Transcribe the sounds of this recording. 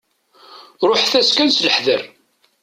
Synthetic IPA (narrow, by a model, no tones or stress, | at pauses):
ɾˤoħθæskænsləħðəɾ